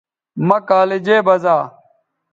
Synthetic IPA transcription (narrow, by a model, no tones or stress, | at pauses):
mɐkaːled͡ʑeːbɐzaː